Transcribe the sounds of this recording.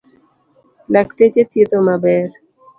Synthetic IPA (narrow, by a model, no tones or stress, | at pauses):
laktet͡ʃet̪et̪omabɛɾ